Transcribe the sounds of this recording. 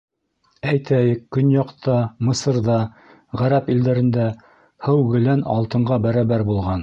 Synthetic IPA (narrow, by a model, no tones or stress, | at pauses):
æjt̪ʰæjɘkːɵnjɑqt̪ʰɑmɤ̆sɤ̆ɾðɑ | ʁæɾæpild̪æɾɘ̆nd̪æ | hɘwɡɘ̆lænɑ̰lˠt̪ɤ̆ɴɢɑbæɾɑβæɾbulˠʁɑn